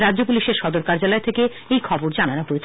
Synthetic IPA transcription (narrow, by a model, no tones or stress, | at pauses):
ɾadʑopuliʃeɾʃɔd̪oɾkaɾd͡ʑalɔet̪ʰeke | ejkʰɔboɾd͡ʑananoɦoet͡ɕʰ